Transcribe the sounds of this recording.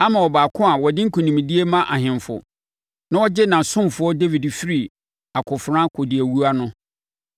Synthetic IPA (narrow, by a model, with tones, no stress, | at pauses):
a˦mã˨wɔ˨baː˨kʰʊ̃˦a˨wɔ˨dɪ̃˦ŋ̩˦kʰu˨nĩ˨m̃˨di˦e˦mã˦ʔa̰˨ɦɪ̃˨mfʊ̰˨ | nã˦wɔ˦d͡ʑɪ˦nã˨sʊ̃˦m˨fʊ˨ɔ˦de˦vi˨dfi˦ɾi˨ | a˨kʰʊ˨fɾã˦kʰʊ˨dɪ˨æ˨wu˦a˦nʊ̃˦